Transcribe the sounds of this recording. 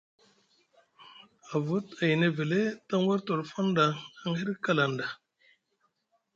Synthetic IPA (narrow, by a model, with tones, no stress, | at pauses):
a˨vu˦ta˨jne˨ve˨le˦ta˦ŋ˦wa˦ɾto˨ɾfa˦nda˨a˦ŋhe˦ɾka˦la˨nda˨